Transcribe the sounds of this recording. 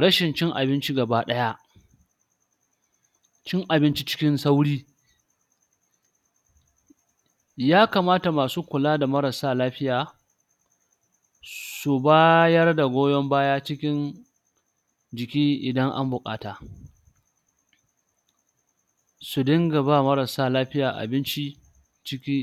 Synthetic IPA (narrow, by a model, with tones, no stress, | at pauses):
ɽɐ˦ʃɪ˨nt͡ʃɪ˦ŋʔa̰˨bɪ˦nt͡ʃi˦ɡɐ˨baː˦ɗɐ˦ja˦ʔ | t͡ʃɪ˦ŋʔa˨bɪ˦nt͡ʃi˦t͡ʃɪ̥˦kʲɪ˦nsa˦wɽiː˦ | jaː˦kaː˨maː˦ta˨maː˨suː˦kʷʊ˨laː˦da˨mɐ˦ɾɐ˨saː˦˨laː˦ɸɪ˦jaː˨ | su˨baː˦jɐ˦rda˨ɡʷoː˦jɔ˦mbaː˦jaː˦t͡ʃɪ˦kʲɪ˦n | d͡ʒɪ˨kʲiː˦ʔɪ˨dɐ˦ŋʔa̰˦mbʊ˨kʼa̰ː˦taː˨ | su˨dɐ˦ŋɡɐ˨baː˦˨mɐ˦ɾɐ˨saː˦˨laː˦ɸɪ˦jaː˨ʔa̰˨bɪ˦nt͡ʃi˦ | t͡ʃɪ˦kʲi˦